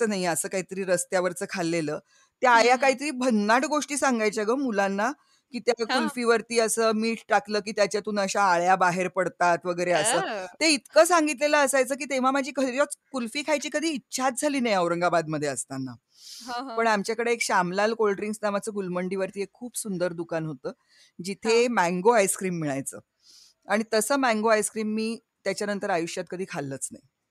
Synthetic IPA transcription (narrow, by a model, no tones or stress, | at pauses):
ənaɦjəsəːkaɦit̪əɾiːɾəst̪jaʋəɾt͡səːkʰalːeləː | t̪jaajakaɦit̪əɾiːbʱənːaʈɡoʂʈiːsaŋɡajt͡ɕaɡəmulanːa | kiːt̪jakulfiːʋəɾt̪iːəsəːmiːʈʈakləːkiːt̪jat͡ɕjat̪uːnəɕaːɭjabaɦeɾpəɽt̪at̪ʋəɡəjɾeəsəːt̪eit̪kəːsaŋɡit̪leləːsajt͡səːk̬iːt̪eʋ̤am̤ad͡ʑʱiːkəɾjɔt͡skulfiːkʰajt͡ɕiːkəd̪ʱiːtːɕʰat̪̚d͡zʱaliːnajəwɾəŋɡabad̪məd̪ʱːjeəst̪anːa | pəɳamt͡ɕjakəɽeːkɕamlalkolɖɾiŋɡsnamat͡səːɡulməɳɖiːʋəɾt̪iːekʰːuːbsund̪əɾd̪ukanɦot̪əː | d͡ʑit̪ʰemæ̃ŋɡoajskɾiːmːiɭajt͡sə̰ː | aɽ̃it̪əsəːmæ̃ŋɡoajskɾiːmːiː | t̪jat͡ɕjanənt̪əɾajuɕjat̪̚kəd̪ʱiːkʰalːət͡sna̰j